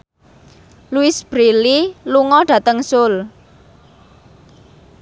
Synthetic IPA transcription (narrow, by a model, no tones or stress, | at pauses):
luɪsb̥ɾililuŋɔɖ̥ä̤t̪əŋsʊl